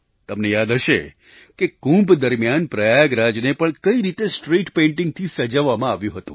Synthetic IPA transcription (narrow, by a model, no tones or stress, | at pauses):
t̪əmnejad̪ɦəʃe | kekũmbd̪əɾmjanpɾəjaɡɾad͡ʒnepəɳkəiɾit̪esʈɾiʈpẽɳʈɪ̃ŋɡ̚t̪ʰisəd͡ʒəʋːamãaʋjũɦət̪ũ